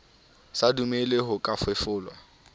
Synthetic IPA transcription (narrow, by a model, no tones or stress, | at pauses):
sadumelɪɦʊkʼafwefʊːlwa